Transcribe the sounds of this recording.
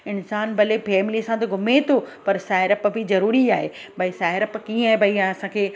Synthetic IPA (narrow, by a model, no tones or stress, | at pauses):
ɪnsaːnbɐlefɛːmɪlisãt̪̬ɐɡʱʊmet̪ʰopɐɾsaːɪɾəpbʱɪzɐɾuːɾiaːɦeːbɐisaːɪɾəpkĩːaːɦebɐiãɐsãkʰeː